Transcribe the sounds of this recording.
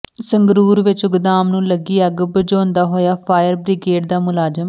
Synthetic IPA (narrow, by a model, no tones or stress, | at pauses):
səŋɡɾuːɾʋɪt͡ʃʊɡd̪aːmnũːləɡiːəɡbəd͡ʒõːnd̪aːɦoːjaːpʰaːjəɾbɾɪɡeːʈ̚d̪aːmʊlaːzəm